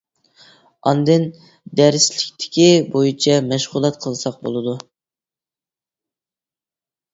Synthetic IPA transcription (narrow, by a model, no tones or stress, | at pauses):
ɑ̰nd̪ɨn | d̪æɾslɪkʲt̪ʰɪ̥kʲibojit͡ʃʰɛmɛʃʁulˠɛt̪̚qʰəlˠsɑq̚bo̰lˠɨd̪u